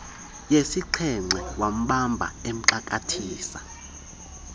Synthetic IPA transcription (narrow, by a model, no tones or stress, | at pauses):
jesiǀʰɛŋ͡ǀʱɛwam̩ɓambʱa̰em̩ǀakʼatʰiːsa